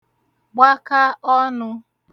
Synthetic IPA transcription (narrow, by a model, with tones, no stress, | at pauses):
ɡ͡ba˦ka˦ɔ˦nʊ˧